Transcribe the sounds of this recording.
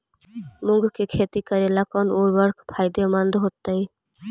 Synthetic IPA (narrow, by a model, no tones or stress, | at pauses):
muŋɡkekʰet̪ikəɾelakɔnoɾbəɾkʰpʰajd̪emãnd̪ɦot̪ːai